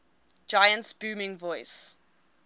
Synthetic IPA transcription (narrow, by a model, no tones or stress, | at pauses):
d͡ʒaɪə̃ntsb̥uːmɪ̃ŋvɔɪs